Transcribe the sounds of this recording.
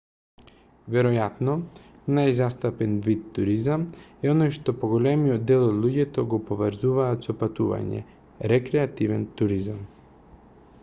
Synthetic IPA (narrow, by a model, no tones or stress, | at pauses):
vɛɾɔjat̪nɔ | najzast̪apɛnvit̪ːuɾizamɛɔnojʃt̪ɔpɔɡɔlɛmijɔd̪ːɛlˠɔd̪lˠuɟɛt̪ɔɡɔpɔvəɾzuvaːt̪sɔpat̪uva̰ɲɛ̰ | ɾɛkɾɛat̪ivɛnt̪uɾizam